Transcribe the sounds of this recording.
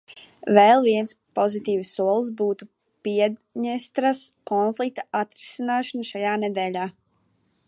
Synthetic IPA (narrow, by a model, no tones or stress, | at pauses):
vɛlˠviɛnspɔzit̪ʲiːvsːuɔlˠs̬buːt̪u | piɛɲɛst̪ɾaskɔnflˠik̚t̪aʔat̪ɾisinaːʃɔnʃajaːnɛd̪ɛːlʲaː